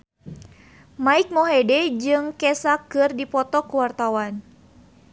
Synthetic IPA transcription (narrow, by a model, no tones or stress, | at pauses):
maik̚moɦedɛd͡ʒɨŋkɛsakɨrdipɔt̪ɔkuwart̪awan